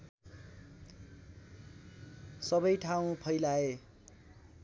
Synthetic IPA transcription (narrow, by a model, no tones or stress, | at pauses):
sʌbʌjʈʰaw̃pʰʌjlae